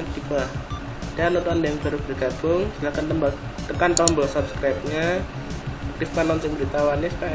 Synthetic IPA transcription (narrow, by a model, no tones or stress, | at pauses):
d̥ipah | d̥anot̪andajaŋb̥a̤ɾub̥ərɡ̥a̤b̥ʊŋd͡ʒulahkant̪əmb | t̪əkant̪ɔmbɔsupskɾajp̚ɲa | at̪ɪfpanɔnsɪŋbəɾit̪awanespa